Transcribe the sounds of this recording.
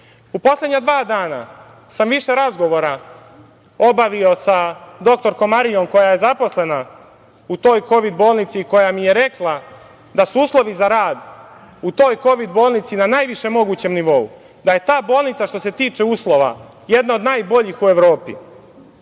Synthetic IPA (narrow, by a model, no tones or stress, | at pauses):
upo̞slˠe̞d̪ɲad̪ʋaːd̪aːna̰ | samʋiʃe̞ɾazɡo̞ʋo̞ɾa | o̞baʋio̞sad̪o̞k̚t̪o̞ɾko̞mːaɾijo̞mko̞jaje̞zapo̞sle̞na | ut̪o̞ːjko̞ʋid̪bo̞ːlˠnit̪siko̞jamije̞ɾe̞klˠa | d̪asuuːslˠo̞ʋizaɾaːd̪ | ut̪o̞ːjko̞ʋid̪̚bo̞ːlˠnit̪sinanaːjʋiʃe̞mo̞ɡuːt͡ɕe̞mniʋo̞ṵ | d̪aje̞t̪aːbo̞ːlˠnit̪saʃt̪o̞se̞t̪iːt͡ʃe̞uːslˠo̞ʋa̰ | jed̪naod̪naːjbo̞ʎixue̞ʋɾo̞ːpḭ